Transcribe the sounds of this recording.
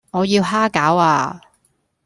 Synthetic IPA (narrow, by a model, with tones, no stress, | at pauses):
ŋɔː˨˧jiː˧wɦaː˥kaː˨˥waː˧